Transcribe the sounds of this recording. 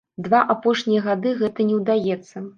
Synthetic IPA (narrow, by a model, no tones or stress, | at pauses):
d̪vaʔapɔʂnʲijɐɣad̪ɨɣɛt̪ɐnʲɛwd̪ajɛt̪sːɐ